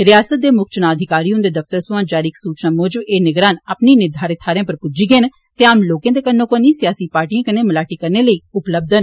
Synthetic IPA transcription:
ɾɪjaːsət̪̚d̪eːmʊkʰt͡ʃnaːəd̪ʱɪkaːɾiːõd̪eːd̪əfʰt̪əɾsʊʋãːd͡ʒaːɾiːksuːt͡ʃnaːmoːd͡ʒəbeːnɪɡɾaːnapniːnɪɾd̪ʱaːɾɪt̪ʰːaːɾjãːpəɾpʊd͡ʒiːɡeːn | t̪eaːmloːkẽːd̪eːkənːõːkoniːsɪjaːsiːpaːɾʈijãːkəneːməlaːʈiːkəɾneːləiːʊpləb̚d̪ən

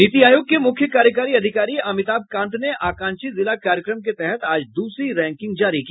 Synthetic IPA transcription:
nit̪iaːjoːɡ̚kemʊkʰːjəkaːɾjəkaːɾiɐd̪ʱɪkaːɾiɐmɪt̪aːb̚kãːnt̪neʔaːkãːɲʃizɪlakaːɾjəkɾəmket̪ɛɦɛt̪aːd͡ʒd̪uːsɾiɾɛ̃ːŋkɪ̃ŋɡ̚d͡ʒaːɾiki

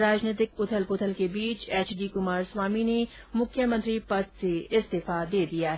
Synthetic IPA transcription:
ɾaːd͡ʒnɪːt̪ɪkʊt̪ʰəlpʊt̪ʰəlkebiːt͡ʃeːt͡ʃɖiːkʊmaːɾswaːmine | mʊkʰjəmə̃nt̪ɾipɐt̪seɪst̪eːfad̪eːd̪ijaɦɛ

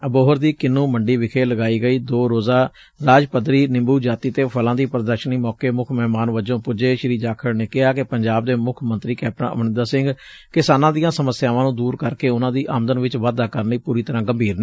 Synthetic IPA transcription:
əboːɦəɾd̪iːkɪnːũːməɳɖiːʋɪkʰeːləɡaːiːɡəiːd̪oːɾoːzaː | ɾaːd͡ʒpəd̪ɾiːnɪ̃mbuːd͡ʒaːt̪iːt̪eːpʰəlãːd̪iːpɾəd̪əɾʃəniːmɔːkeːmʊkʰmɛːmaːnʋəd͡ʒõːpʊd͡ʒeːʃəɾiːd͡ʒaːkʰəɽneːkɪɦaːkepəɲd͡ʒaːb̚d̪eːmʊkʰmənt̪ɾiːkɛːp̚ɾə̰nə̰mnɪnd̪aːsɪ̃ŋɡ | kɪsaːnãːd̪ɪjãːsəməsːjaːʋãːnũːd̪uːɾkəɾkeːʊnãːd̪iːʔaːmd̪ənʋɪt͡ʃʋaːd̪aːkəɾniːpuːɾiːt̪əɾãːɡəmbʱiːɾneː

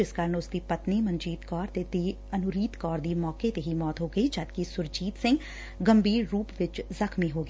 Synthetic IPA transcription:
ɪskəɾənʊsd̪iːpɐt̪nimə̃nd͡ʒiːt̪kɔːɾt̪et̪iː | ɐnʊɾiːt̪kɔːɾd̪iːmɔːket̪eɦimɔːt̪ɦoːɡəid͡ʒɐd̪̚kisʊɾd͡ʒiːt̪sɪ̃ŋɡ | ɡəmbiːɾːuːpʋɪt͡ʃzəkʰmiɦoːɡ

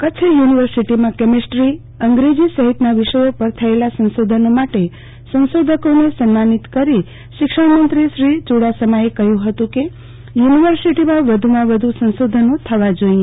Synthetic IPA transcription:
kət͡ʃʰejuniʋəɾsiʈimãkɛmisʈɾi | əŋɡɾed͡ʒisəɦit̪naʋɪʃəjopəɾt̪ʰəelasə̃nsod̪ʱənomaʈe | sə̃nsod̪ʱəkonesənmanit̪kəɾi | ʃɪkʃəɽmənt̪ɾiʃɾit͡ʃuɽasəmaekəɦjũɦət̪ũke | juniʋəɾsiʈimãʋəd̪ʱumãʋəd̪ʱusə̃nsod̪ʱənõt̪ʰəʋad͡ʒoĩ

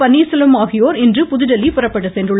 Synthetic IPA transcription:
ɐnːiːsɪlɐmaːɣɪjoːɾɪndrɯpʊðɪðɐlipʊrɐpːɐɽɯsɛndrɯɭː

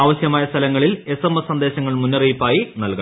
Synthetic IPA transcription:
aːʋɐɕjɐmaːjɐst̪ʰɐlɐŋːɐɭile̞semːɐsɐnd̪e̞ːɕɐŋːɐɭmunːɐrijpːaːjinɐlkɐ

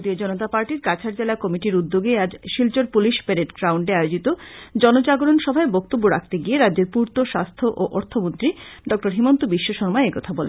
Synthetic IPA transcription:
d̪ied͡ʑɔnot̪apaɾʈiɾkat͡ɕʰaɾd͡ʑelakɔmiʈiɾud̪ːoɡead͡ʑʃilt͡ɕoɾpuliʃpeɾeʈɡɾawɳɖeajod͡ʑit̪od͡ʑɔnot͡ɕaɡoɾonʃɔbʱaebɔk̚t̪obːoɾa̰kʰt̪eɡieɾadːeɾpuɾt̪oʃa̰st̪ʰoʔoʔɔɾt̪ʰomont̪ɾiɖɔk̚ʈoɾɦimont̪obiʃːoʃɔɾmaeekɔt̪ʰabɔlḛn

